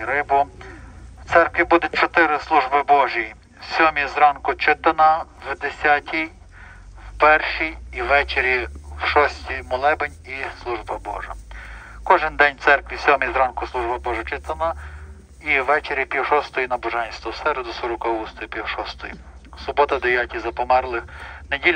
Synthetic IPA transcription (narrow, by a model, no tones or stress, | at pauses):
ɾɪbʊ | wt̪sɛrkʋʲibud̪ʊt̚ʲt͡ʃɔt̪ɪɾɪslˠuʒbɪbɔʒiji | sʲɔmʲizɾɑnkʊt͡ʃɪt̪ɐnɐwʋd̪esʲatʲʰij | wpɛrʃijːʋɛt͡ʃeɾʲiwʃɔsʲtʲijmɔlˠɛbenʲislˠuʒbɐbɔ̰ʒɐ̰kɔʒɪnd̪ɛnʲt̪sɛrkʋʲisʲɔmʲizɾɑnkʊslˠuʒbɐbɔʒɐt͡ʃɪt̪ɐnɐ | iʋːɛt͡ʃeɾʲjipʲiwʃɔst̪ɔjinɐbɔʒɛnʲst̪ʋɔwsɛɾɛd̪ʊsɔɾɔkɔʋust̪ɔjipʲiwʃɔst̪ɔ̰jḭ | sʊbɔt̪ɐd̪eʋjatʲizɐpɔmɛrlˠɪxnedʲilʲ